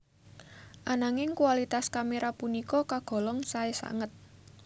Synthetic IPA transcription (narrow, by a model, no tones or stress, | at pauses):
ʔanaŋɪŋkuwalit̪askameɾapunikɔkaɡ̥ɔ̤lɔŋsaesa̰ŋət̪̚